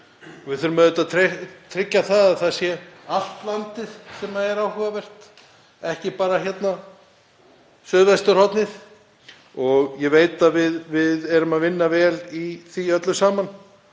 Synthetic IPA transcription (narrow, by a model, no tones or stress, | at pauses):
ɔvɪθœɾʏmɛðʏt̪aðt̪ʰɾt̪ʰɾɪcːaθaðaðθaðsjɛal̥t̪lant̪ɪðsɛmaɛɾaːwhʏːvavɛr̥t̪ | ɛhcɪpaːɾaçjɛt̪na | sœːðvajst̪ʏɾ̥hɔt̪nɪð | ɔɣjɛveːjt̪avɪðvɪðɛɾʏmaðvɪnːavɛːliθiœt̪lʏsaːman